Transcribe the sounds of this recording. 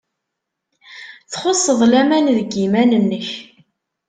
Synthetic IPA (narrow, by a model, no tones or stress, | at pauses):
θχosˤːəðˤlæmænðəɡimænənːəç